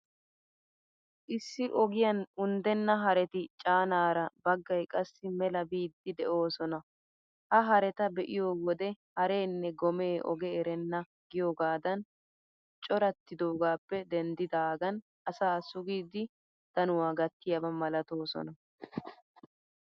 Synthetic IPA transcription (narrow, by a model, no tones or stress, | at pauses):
ʔɪsːɪʔɔɡɪjɐnʊnd̪ɛnːɐɦɐɾɛt̪ɪt͡ʃʼaːnaːɾɐbɐɡːɐjkʼɐsːɪmɛlɐbiːd̪ːɪd̪ɛʔo̞ːsɔnɐ | hɐɦɐɾɛt̪ɐbɛʔɪjo̞ːwɔd̪ɛhɐɾe̞ːnːɛɡɔme̞ːʔɔ̰ɡɛɛɾɛnːɐ | ɡɪjo̞ːɡaːd̪ɐn | t͡ʃʼɔɾɐt̪ːɪd̪oːɡaːpːɛd̪ɛnd̪ɪd̪aːɡɐn | ɐsaːsʊɡiːd̪ɪ | d̪̥ɐnʊwaːɡɐt̪ːɪjɐbɐmɐlɐt̪o̞ːsɔ̰nɐ